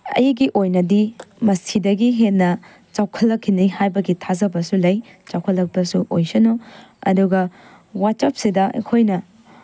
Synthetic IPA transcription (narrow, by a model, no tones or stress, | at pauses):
ɐ̰jɡiʔojnɐdimɐsidɐɡiɦennːɐ | t͡ʃawkʰɐlːɐkʰːinihajbɐɡitʰazɐbɐsulɐj | t͡ʃawkʰɐlːɐk̚pɐsuʔojsɐnoɐ̰duɡɐ | wat̚t͡ʃap̚sidɐḛkʰojnɐ